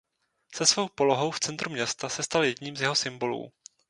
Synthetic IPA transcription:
sɛsvo̞wpo̞lo̞ɦo̞wft͡sɛnt̪ɾumɲɛst̪asɛst̪aljɛɟɲiːmzjɛɦo̞sɪmbo̞lṵː

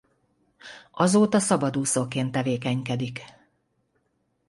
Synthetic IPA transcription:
ʔɒzoːt̪ɒsɒbɒd̪uːsokeːnt̪ːɛveːkɛɲkɛd̪ik

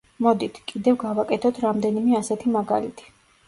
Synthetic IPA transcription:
mɔd̪it̪ʰkʼid̪ɛvɡavakʼɛt̪ʰɔt̪ʰɾamd̪ɛnimɛasɛt̪ʰimaɡa̰lḭt̪ʰi̥

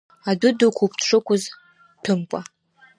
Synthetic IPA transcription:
adʊdɨkʷʰupʰtʰʂɨkʷʰʊz | tʰɨmkʷʼa

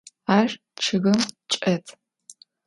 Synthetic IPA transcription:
aːʒ | t͡ʃʰɨɣɐmt͡ʃʼɐtʰ

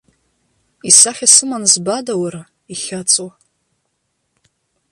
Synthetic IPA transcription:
isaχʲasɨmanzbadawaɾa | iχʲat͡sʼu

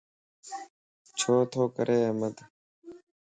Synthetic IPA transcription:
t͡ɕʰoːt̪ʰoːkə̰ɾʔeːɐmɐd̪

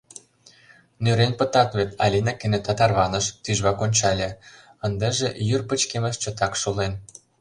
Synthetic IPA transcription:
nøɾenpə̆t̪ɑt̪βet̪ɑ̰lʲinɑkĕnet̪ɑt̪ɑrβɑnəʃt̪yʒβɑkonʲt͡ɕɑlʲĕ | ə̆nd̪ĕʒĕjyrpə̆t͡ɕkemə̆ʃt͡ɕə̆t̪ɑkʃolen

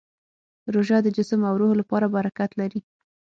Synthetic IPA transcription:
ɾoʒɑd̪əd͡ʒɪsəmawɾoɦolapɑɾabaɾakat̪laɾi

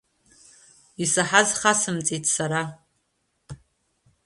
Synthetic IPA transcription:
isaħazχasɨmt͡sʼitʼʰsaɾa

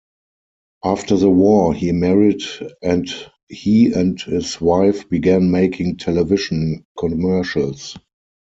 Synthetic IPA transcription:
ʔaftə˞ðəwɔhiːmɛɹidɛ̃nt | hiːæ̃nthɪswaɪfb̥iɡæ̃nmeɪkʰɪ̃ŋtʰɛlɛvɪʃə̃nkʰɔ̃mɜ˞ʃəls

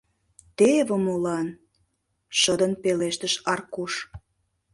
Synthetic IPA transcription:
t̪eβəmolɑn | ʃəd̪ənpeleʃt̪əʃɑrkuʃ

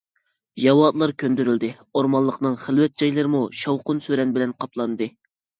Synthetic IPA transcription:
jɑwɑːd̪lˠɑɾkʲʰønd̪yɾyld̪ɪ | oɾmɑlˠːəqnɨŋχəlˠwɛt̪̚d͡ʒɑjlˠɨɾɨmuʃɑwqʊnsøɾɛnbɪlɛnqʰɑplˠɑnd̪ɨ

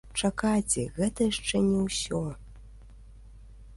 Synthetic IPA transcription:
t͡ʂakat͡sʲɛ̰ɣɛt̪ɐjaʂt͡ʂɛnʲɛwsʲɔ

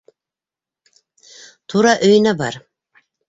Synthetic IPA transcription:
t̪ʰuɾɑʔɵ̆j̆næbɑɾ

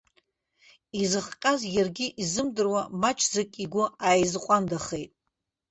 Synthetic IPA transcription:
izɨχqʲʼazjarɡʲɪʔizɨmdɨrwamat͡ʃʼʰzakʲʼiɡʷʊajzqʷʼandaχejtʼ

